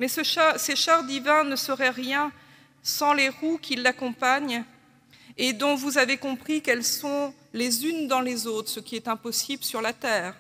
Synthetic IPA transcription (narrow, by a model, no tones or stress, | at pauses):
mɛsəʃaseʃaʁd̪ivɛ̃nəsəʁɛʁjɛ̃ | sɑ̃leʁukʰilːakɔ̃paɲ | ed̪ɔ̃vuzavekɔ̃pχikɛlsɔ̃ | lezynd̪ɑ̃lezot̪χsəkʲiɛt̪ɛ̃pɔsibləsyʁlat̪ɛːʁ